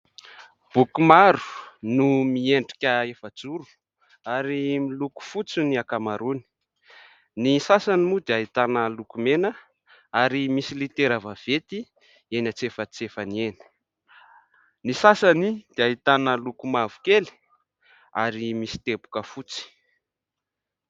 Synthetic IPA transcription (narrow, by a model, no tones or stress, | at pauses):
b̥ukumaɾu̥numieɳɖ͡ʐikʲəefad͡zuɾu̥ | aɾimiluku̥fut͡siniakamaɾuni̥ | nisasanimud̪eaɦit̪anəlukumenə | aɾimisilit̪eɾavav̥et̪i | enat͡sefət͡sefanieni̥ | nisasanid̪̥eaɦit̪anəlukumavu̥keli̥ | a̰ɾimisi̥t̪epu̥kəfut͡si̥